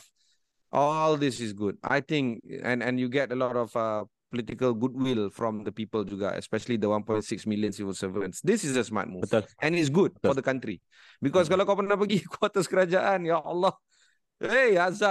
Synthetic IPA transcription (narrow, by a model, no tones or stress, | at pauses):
ʔɔld̪ɪsɪsɡud̚a̰jt̪ɪ̃ŋkɛ̰̃nɛ̃njuɡɛtəlɔɾɔfa | pɔlitikəlɡud̚wilfɹɔ̃md̪əpiːpəld͡ʒuɡa̰ʔɛ̰spɛʃəlid̪əwãnpɔ̃j̃nsɪksmiljə̃nsivəlsəvəə̃nsd̪ɪsisəsma̰t̚muʔɛ̃nɪs̬ɡud̚fɔdəkãntɾi | bikɔs̬kalakɔpənnapəɡikwɔt̪əskəɾad͡ʒaʔãnjaɔlːɔ | easa